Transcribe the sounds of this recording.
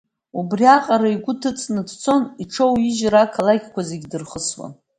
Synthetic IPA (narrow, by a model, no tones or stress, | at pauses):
ubriaqʼaɾaiɡʷʊtʰɨt͡sʼnɨdt͡sʰo̞niʈ͡ʂʰowiʒɾakʰalakʲʰʼkʷazeɡʲdɨrχəswa̰n